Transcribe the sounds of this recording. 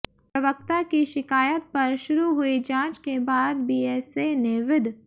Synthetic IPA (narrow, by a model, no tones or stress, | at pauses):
pɾɐʋək̚t̪akiʃɪkaːjət̪̚pɐɾʃʊɾuɦʊid͡ʒãːt͡ʃkebaːd̪biːɛːseneʋɪd̪ʱ